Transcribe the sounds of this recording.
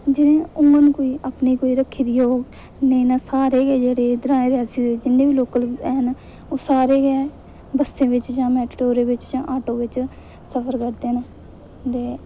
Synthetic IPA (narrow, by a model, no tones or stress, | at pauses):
d͡ʒɪnẽːʊŋɡənkoːiːʔaːpneːkoːiːɾəkʰːiːɾiːoːɡ | neinaːsaːɾeːɡɛːd͡ʒeːɽeːd̪əɾaːẽːɾɪjaːsiːeːd͡ʒɪnːẽːʋiːloːkəlɛːn | oːsaːɾeːɡɛː | bəsẽːʋɪt͡ʃd͡ʒãːmɛːʈʈoːɾẽːʋɪt͡ʃd͡ʒãːʔaːʈoːʋɪt͡ʃ | səpʰəɾkəɾd̪eːn | t̪eː